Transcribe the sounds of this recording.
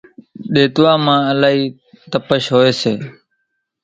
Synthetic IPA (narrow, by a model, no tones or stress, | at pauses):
ɗeːt̪ʋaːmãːəlaːɦiː | t̪əpəʃɦoːeːseː